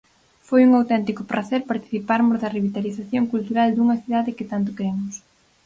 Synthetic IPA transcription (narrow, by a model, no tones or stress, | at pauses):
fojuŋawt̪ɛnt̪ikʊpɾʔaθɛɾpaɾt̪i̥θipaɾmʊzðɐriβit̪aliθaθjoŋkult̪uɾald̪uŋɐθiðaðɪkɪt̪ant̪ʊkɾemʊs